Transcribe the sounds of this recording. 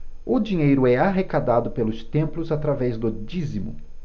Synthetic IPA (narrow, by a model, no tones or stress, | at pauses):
ʊd͡ʒiɲejɾʊɛaɦekad̪ad̪ʊpelʊst̪ẽmplʊzat̪ɾavɛzd̪ʊd͡ʒizimʊ̰